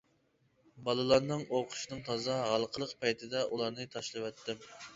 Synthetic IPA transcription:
bɑlˠɨlˠɑɾnɨŋoqʰʊ̥ʃinɨŋt̪ʰɑzɑɦɑlˠqʰəlˠəqpʰɑjt̪ʰɪd̪ɛʔulˠɑɾnɨt̪ʰɑʃlˠɨwɛt̪ːɪm

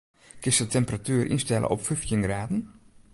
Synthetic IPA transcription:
kɪsətɛmpəratyːərʔḭnstɛlʔə̰ʔɔpfyftjənɡraːdən̩

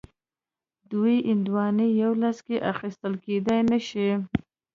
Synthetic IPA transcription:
d̪ujʔɪnd̪wɑnijawlaskeʔaxist̪əlked̪ajnəʃi

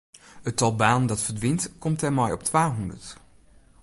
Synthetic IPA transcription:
ətɑlˠbaːnəndɑtfəɹdʋɪntkɔmtɛmɔjɔptʋaːɦɔndəɹt

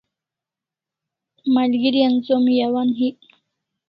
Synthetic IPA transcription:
malɡiɾijansomjawanɦi

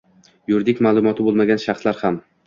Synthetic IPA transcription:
jʊɾd̪ɪkʲmaːlˠʊmɒt̪ʰɪbolˠmaɡʲanʃaχslaɾham

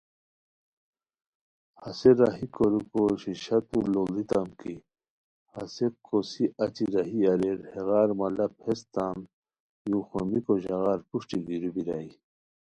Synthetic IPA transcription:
hɐseɾaɦikoɾukoɕiɕɐt̪ulolit̪amki | hɐ̰sekːosiʔɐt͡ɕiɾaɦiɐɾeɾheɣaːɾmɐlɐphest̪an | juxomikoʑɐɣaːɾpuʂʈiɡiɾubiɾai

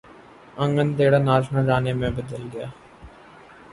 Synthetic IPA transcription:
ə̃ŋɡənt̪eːɽaːnaːd͡ʒnãɾaːneːmẽbəd̪əlɡɪjaː

